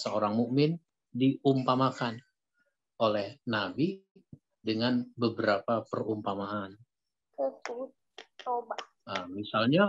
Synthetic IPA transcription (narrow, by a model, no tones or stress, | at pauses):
səoɾaŋmuʔmɪn | diʔumpamakan | ʔolɛhnabi | dəŋanbəbəɾapapərumpamaʔan | kəsut̪̚t͡ʃoba | əmisalɲa